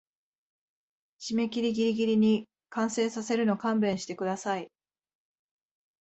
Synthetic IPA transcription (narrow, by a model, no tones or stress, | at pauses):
ɕime̞kʲiɾʲiɡʲiɾʲiɡʲiɾʲiɲ̟i | kãɰ̃se̞ːsase̞ɾɯ̟no̞kãmbẽ̞ɰ̃ɕi̥t̪e̞kɯ̟d̪asai